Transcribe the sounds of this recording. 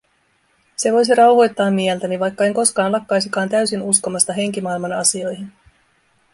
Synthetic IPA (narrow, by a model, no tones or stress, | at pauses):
se̞ʋo̞js̬iɾɑwɦo̞jt̪ːɑːmːiɛlt̪æniʋɑjkːɑe̞ŋko̞skɑːnlɑkːɑjsikɑːnt̪æɥsinusko̞mɑst̪ɑɦe̞ŋk̟imɑilmɑnɑsio̞jɦin